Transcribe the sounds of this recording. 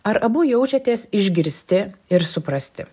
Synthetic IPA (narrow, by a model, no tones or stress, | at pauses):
ɐɾɐbʊjɛʊt͡ʃʲɛt̪ʲeːsɪʒʲɡʲɪɾʲsʲt̪ʲɪɪɾsʊpɾɐsʲt̪ʲɪ